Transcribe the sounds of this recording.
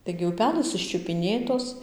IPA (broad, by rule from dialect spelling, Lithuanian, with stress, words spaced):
tɐɪɡʲɪ ʊˈpʲæːlˠɘs ɪʃʲt͡ʃʲʊpʲɪˈnʲeːtoːs